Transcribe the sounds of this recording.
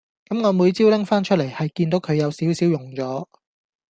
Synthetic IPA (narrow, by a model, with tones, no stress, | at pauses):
kɐ˨˥mŋɔː˨˧muː˨˧jt͡siː˥wlɪ˥ŋfaː˥nt͡ʃʰɵ˥le˨˩jhɐ˨jkiː˧nt̪o˨˥wkʰɵ˨˧ɥjɐ˨˧wsiː˨˥wsiː˨˥wjʊ˨˩ŋt͡sɔː˨˥